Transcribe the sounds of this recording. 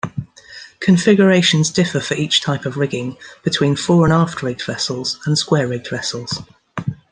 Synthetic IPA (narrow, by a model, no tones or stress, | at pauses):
kʰə̃ɱfɪɡjəɹeɪʃə̃nzdɪfəfəɹiˑt͡ʃtʰaɪpəvɹɪɡɪ̃ŋb̥ɪtʰw̥ĩːnfɔːɹə̃nɑˑftɹɪɡ̚dvɛsəlˠz̥ə̃nskwɛːɹɪɡ̚dvɛsəlˠz̥